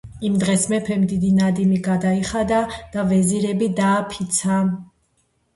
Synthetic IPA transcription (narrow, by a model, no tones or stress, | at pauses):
imd̪ʁɛsmɛpʰɛmd̪id̪inad̪imiɡad̪aiχad̪ad̪̥avɛziɾɛbid̪aːpʰit̪sʰa